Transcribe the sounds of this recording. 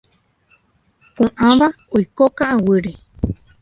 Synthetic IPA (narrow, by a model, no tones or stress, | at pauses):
kũʔãβa | ojkokãʔãwɨɾe